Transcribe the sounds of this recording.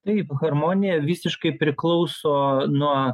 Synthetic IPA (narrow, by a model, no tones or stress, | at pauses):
t̪ɐɪpɣɐɾmoːnʲɪjɛʋʲiːsʲɪʃkɐɪpʲɾʲɪklˠɐʊsoːnuɔ